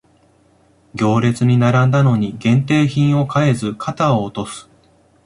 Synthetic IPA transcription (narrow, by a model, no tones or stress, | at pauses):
ɡʲo̞ːɾe̞t͡sɨɲ̟inaɾãnd̪ano̞ɲ̟iɡẽ̞nt̪e̞ːçĩɰ̃o̞kae̞zɨkʰat̪aoːt̪o̞sɨ̥